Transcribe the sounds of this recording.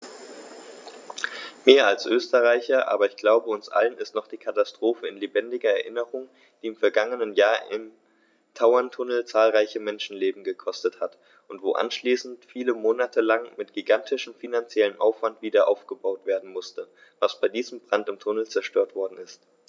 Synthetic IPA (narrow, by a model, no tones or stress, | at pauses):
meːɐalsʔøːstəʁaɪçɐʔa̰ːbɐɪçɡ̥laʊbəʊnsʔa̰lənɪstnɔχd̥iːkʰatastʁ̥oːfəɪnlebɛndɪɡɐɛɐʔɪnəʁʊŋ | d̥iːɪmfɛɐɡaŋənənjaːɐʔɪm | tʰaʊɐntʰʊnl̩t͡saːlʁaɪçəmɛnʃn̩leːbm̩ɡəkʰɔstəthat | ʔʊntv̥oːʔa̰nʃliːsn̩tfiːləmoːnatʰəlaŋmɪtɡ̥iɡantʰɪʃm̩finant͡sjɛləmʔaʊfv̥antv̥iːdɐʔaʊfɡ̥əbaʊtv̥eːɐdn̩mʊstə | vasb̥aɪdiːzəm̩bʁ̥antɪmtʰʊnl̩t͡sɛɐʃtøːɐtv̥ɔɐdn̩ɪst